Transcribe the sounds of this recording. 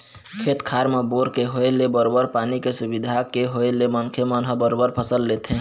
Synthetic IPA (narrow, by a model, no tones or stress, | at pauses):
kʰet̪kʰaɾmeboɾkeɦoelebəɾobəɾpanikesubid̪ʱakeɦoelemənkʰemənɦəbəɾobəɾpʰəsəlːet̪ʰẽ